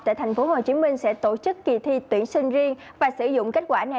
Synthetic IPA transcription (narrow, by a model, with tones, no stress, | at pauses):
t̪a̰ː˧˨t̪ʰjŋ̟fo˨˦ho˨˩t͡ɕi˨˦mï˧ŋ̟sɛ̰˧˥t̪o˧˥t͡ɕɨ˦˥kːi˨˩t̪ʰi˧t̪wḭ˧˩ənsï˧ŋ̟zi˧əŋ | vaː˨˩sɨ˧˩˦zʊ̰˧˨ŋ͡mke˦˥t̚kwaː˧˩na˨˩